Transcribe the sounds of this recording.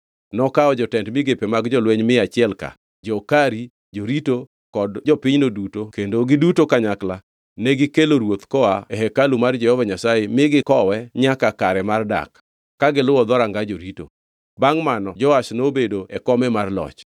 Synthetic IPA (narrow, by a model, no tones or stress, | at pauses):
nɔkaɔd͡ʒɔtɛndmɪɡepemaɡd͡ʒɔlweɲmɪat͡ʃɪɛlka̰ | d͡ʒɔkaɾi | d͡ʒoɾito | kɔdd͡ʒɔpɪɲnodutokendoɡɪdutokaɲakla | nɛɡɪkeloɾwot̪kɔaɛɦɛkalumard͡ʒɛhɔvaɲasajemɪɡɪkɔwɛɲakakaɾɛmarda̰kː | aɡɪlʊwɔd̪ɔɾaŋɡad͡ʒoɾito̰ | baŋmanɔd͡ʒɔasnobedoɛkɔmɛmarlɔ̰t͡ʃ